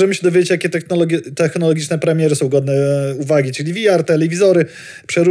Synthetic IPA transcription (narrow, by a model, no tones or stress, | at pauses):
ʐɛmɘɕɛd̪ɔvʲed͡ʑet͡ɕjakʲɛt̪ɛnɔlɔt̪ɛxnɔlɔɡʲit͡ʂnɛpɾɛmʲjɛɾɘsɔ̃w̃ɡɔd̪nɛuvaɡʲit͡ʂɘlʲivʲijaɾt̪ɛlɛvʲizɔɾɘ | pʂɛɾu